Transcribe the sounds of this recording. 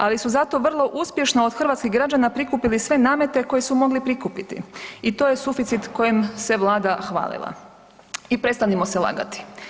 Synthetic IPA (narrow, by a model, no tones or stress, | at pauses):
alisuzat̪o̞ʋr̩lˠo̞ʔuspje̞ʃnood̪xr̩ʋat̪skiɣɡɾad͡ʒanapɾikupilisʋe̞naːme̞t̪e̞ko̞je̞sumo̞ɡlipɾikupit̪ḭit̪o̞ːje̞sufit̪sit̪ko̞jemse̞ʋlˠaːd̪axʋa̰ːlḭlˠa̰ | ipɾe̞t̪st̪animoselˠa̰ɡa̰t̪i̥